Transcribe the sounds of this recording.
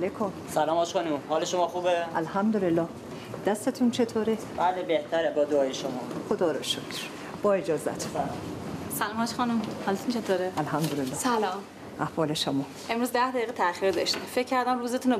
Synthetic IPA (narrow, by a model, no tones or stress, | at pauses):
alekʰomsælɒːmɒːʃxɒːnumhɒːleʃomɒːxuːbeʔælhæmd̪olelːɒː | d̪æst̪et̪ʰunt͡ʃʰet̪ʰoːɾe | b̥æːlebeht̪ʰæɾebɒːd̪oɒːjeʃomɒːxod̪ɒːɾɒ̰ʃot̪ | b̥ɒːed͡ʒɒːzæ̰t̪ʰu̥almsælɔːmhɒːʃxɒnumhɒlet̪unt͡ʃʰet̪ʰoːɾeælɦæmd̪olelːɒːsælɒːm | ʔæhvɒːle̞ʃomɒː | ʔe̞mɾuːzd̪æhd̪æiːɣet̪ʰæxiɾd̪ɒʃt̪imfecʲʰːæɾd̪æmɾuːzet̪ʰuno